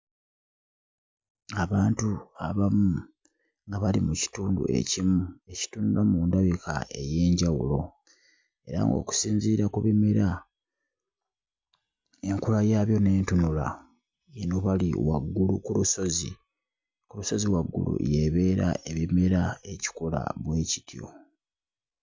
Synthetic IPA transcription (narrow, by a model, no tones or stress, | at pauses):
aβaːntuaβamu | ŋɡaβalimuci̥tuːndṵe̞̰cimue̞ci̥tunulamuːndaβika̰e̞je̞ːɲɟawṵlo̞ | e̞ɾa̰ŋɡo̞̰ːku̥siːɲziːɾakuβimeɾa | e̞ŋkulajaːβjo̞ne̞ːntunula̰ | enoβaliwa̰ɡːulṵkuluso̞zḭ | kuɾuso̞ziwaɡːṵlṵje̞βe̞ːɾa̰e̞βime̞ɾae̞ci̥kola̰βwe̞ːci̥tjo̞̰